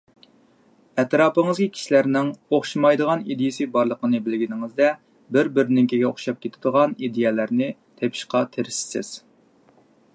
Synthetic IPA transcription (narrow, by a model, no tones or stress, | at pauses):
ɛt̪ɾɑːpəŋɨzkʲikʲʰi̥ʃilæɾnɪŋoχʃimɑjd̪əʁɑnid̪ijɪsɨbɑɾlˠəqənɨbɪlɡʲinɪŋɨzd̪ɛ | bɪɾbɪɾnɪŋkʲʰiɡʲɛoχʃɑp̚kʲʰet̪ʰɪd̪əʁɑnid̪ejɛlæɾnɪ | t̪ʰepʰɪ̥ʃqɑt̪ʰeɾɪssɪ̰z̥